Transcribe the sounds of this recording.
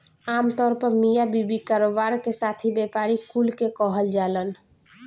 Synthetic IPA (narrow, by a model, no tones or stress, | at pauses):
amt̪ɔːɾpəɾmijabibikaɾobaɾkesat̪ʰibepaɾikulkekɔɦəld͡ʒalən